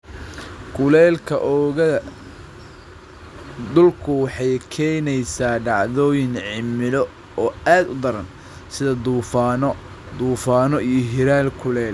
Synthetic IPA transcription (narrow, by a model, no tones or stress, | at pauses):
kʰʊlɛːlkʰɐʔɔːɣɐɐ | d̪ʊlkʰʊwɑħɑjkʰɛːjnɛjsaːɖɑʕðɔːjɪnʕɪmɪlɔ | ɔːaːd̪ʊd̪ɐɾɐn | sɪðɐd̪uːfaːnɔ | d̪uːfaːnɔijɞɦɪɾaːlkʰʊlɛːl